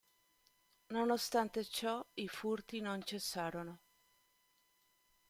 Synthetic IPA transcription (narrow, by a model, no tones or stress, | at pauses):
nonost̪ant̪et͡ʃɔifurt̪inont͡ʃesːaːɾono